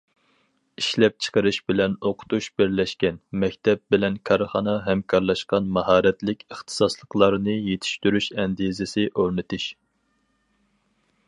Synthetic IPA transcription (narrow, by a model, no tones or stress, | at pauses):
iʃlɛp̚t͡ʃʰə̥qəɾɨʃbɪlɛnoqʰʊ̥t̪uʃb̥ɪɾlɛʃkʲɛnmɛkʲt̪ʰɛp̚bɪlɛnkʰɑɾχɑnɑɦɛmkʰɑɾlˠɑʃqɑnmɑɦɑːɾɛt̪lɪkʲəχt̪ʰɨ̥sɑslˠəqlˠɑɾnɨjet̪ʰi̥ʃt̪yɾyʃɛnd̪izɪsɪʔoɾnɨt̪ʰuʃ